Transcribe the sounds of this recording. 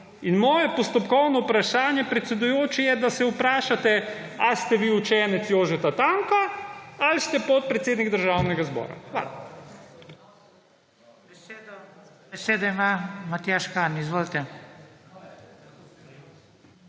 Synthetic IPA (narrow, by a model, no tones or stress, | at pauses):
inmɔːjɛpɔst̪ɔpkɔwnɔupɾaʃaːnjɛpɾɛt̪sɛd̪ujoːt͡ʃɛjɛd̪asɛupɾaːʃat̪ɛ | ast̪ɛʋiːut͡ʃɛnɛt̪sjoːʒɛt̪at̪aŋkaalst̪ɛpɔt̪̚pɾɛt̪seːd̪niɡd̪əɾʒawnɛɡazbɔ̰ːɾa̰xʋa̰ːla̰ | beseːd̪ɔimamat̪jaʃkanizʋoːlt̪ɛ